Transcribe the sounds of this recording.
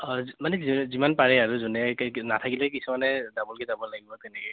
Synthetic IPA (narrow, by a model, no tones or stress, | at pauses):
manɛizimanpaɹɛaɹuzɔnɛknatʰakilɛkisumanɛdamɔlkɛzabɔlaɡibɔt̪ɛnɛkɛ